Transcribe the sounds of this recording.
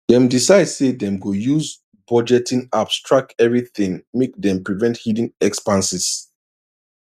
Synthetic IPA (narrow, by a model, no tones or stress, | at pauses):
dɛ̃mdisaɪdsedɛ̃mɡojuz | bɔd͡ʒɛtĩnapstʰɹak̚kɛvɹiθĩŋmek̚dɛ̃mpɹivɛ̃nthidĩŋɛkspãnsis